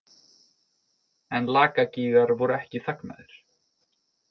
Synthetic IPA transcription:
ɛnlaːkaciːɣaɾvɔɾʏɛhcɪθakna̰ðɪɾ̥

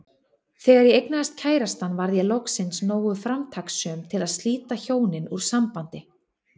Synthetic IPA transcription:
θɛːɣaɾjɛejknaðast̪cʰaːjɾast̪anːvaɾðjɛlɔksɪnsnoːwɣʏfɾamt̪ʰaksːœːmt̪ʰɪlaðst̪liːt̪açoːwnɪnuɾ̥sampant̪ɪ

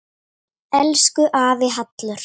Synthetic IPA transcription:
ɛlskʏʔaːvɪɦat̪lʏɾ̥

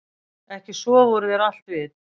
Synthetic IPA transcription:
ɛhcɪsvɔvɔɾʏðɛɾal̥t̪vɪt

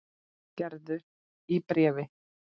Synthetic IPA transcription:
cɛɾðʏ | ipɾɛːvɪ

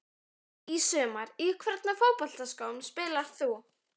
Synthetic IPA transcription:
isœːmaɾikʰvɛɾt̪nafowpɔl̥t̪askawmspɪːlḁθu

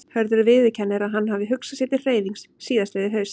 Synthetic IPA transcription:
hœɾðʏɾʏvɪːðɪcʰɛnːɪɾaðɦanːhavɪɦʏksasjɛt̪ɪ̥r̥eːjðiŋksːiːðasleðɪɦœɥs

